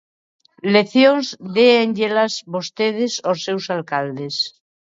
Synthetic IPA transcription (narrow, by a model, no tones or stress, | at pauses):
leθjõŋzðeeŋd͡ʒelazβost̪eð̞esosewsalkald̪es